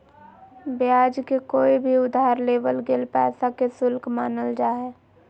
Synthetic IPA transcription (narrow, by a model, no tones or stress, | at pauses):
bjaːd͡ʒkekoːibʱiʊd̪ʱaːɾleːʋəlɡelpɛ̰ːsakesʊlkmaːnəld͡ʒaːɦɛː